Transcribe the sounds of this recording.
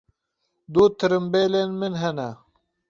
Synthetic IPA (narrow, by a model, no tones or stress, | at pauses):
d̪uːt̪əɾimbeːlenminɦɐna